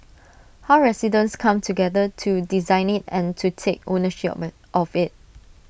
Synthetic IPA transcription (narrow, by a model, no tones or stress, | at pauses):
haʊɹɛsidə̃nskʰãmtʰuɡɛdətʰudizãɪ̃nɪtɛ̰̃ntʰutʰek̚o̰nəʃɪp | ʔɔfɪt̚